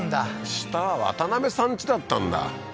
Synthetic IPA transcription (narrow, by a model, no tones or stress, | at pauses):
nd̪aɕi̥t̪aβaβa̰t̪aname̞sãɲ̟t͡ɕid̪at̪ːãnd̪a̰